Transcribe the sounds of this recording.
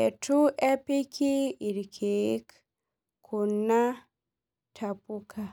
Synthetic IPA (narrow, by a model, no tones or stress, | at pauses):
ɛtuʔɛpikʰiiɾkʰek | kʰunːa | tʰapukʰa